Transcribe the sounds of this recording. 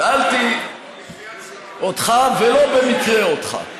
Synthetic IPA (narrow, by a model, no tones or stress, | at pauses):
alt̪i | ot̪χavelo̞bemikʁeot̪χa̰